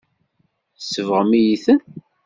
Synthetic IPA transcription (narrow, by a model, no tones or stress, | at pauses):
θsəvʁəmijiθən